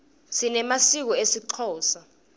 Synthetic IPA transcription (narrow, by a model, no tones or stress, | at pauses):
sinɛmasik̬ɔesiǃʰɔːsa